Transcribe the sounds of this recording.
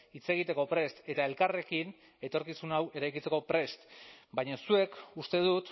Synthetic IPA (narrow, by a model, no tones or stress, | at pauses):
it͡se̞ɣit̪e̞ko̞pɾe̞st̪e̞t̪ae̞lkare̞kin | e̞t̪o̞ɾkisunawe̞ɾajkit͡se̞ko̞pɾe̞st̪baɲasue̞kust̪e̞ð̞ut̪